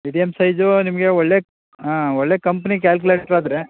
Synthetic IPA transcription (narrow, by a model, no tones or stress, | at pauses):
ʋiɖijɐmsɐjd͡ʒonimɐɡeɔɭːeː | aːɔɭːeːkɐmpɐnik̬aːlk̬uleːʈɾaːd̪ɾe